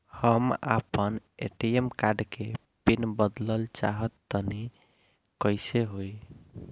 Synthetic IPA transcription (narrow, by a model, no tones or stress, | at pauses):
həma̰pənḛʈiemkaɖke | pinbəd̪ləlt͡ʃaɦət̪ːəni | kəjseɦoj